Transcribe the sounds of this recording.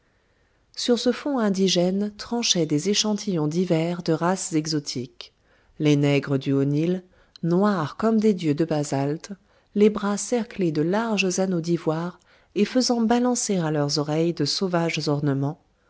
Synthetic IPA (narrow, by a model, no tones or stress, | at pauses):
syʁsəfɔ̃ɛ̃d̪iʒɛnt̪χɑ̃ʃɛd̪ezeʃɑ̃t̪ʰijɔ̃d̪ivɛʁd̪əʁaszɛɡzɔt̪ʰik | lenɛɡʁəd̪yonil | nwaʁkɔmd̪ed̪jød̪əbazalt̪ | lebʁasɛʁkled̪əlaʁʒzanod̪ivwaːʁ | efəzɑ̃balɑ̃seʁalœʁzɔʁɛjd̪əsovaʒzɔʁnəmɑ̃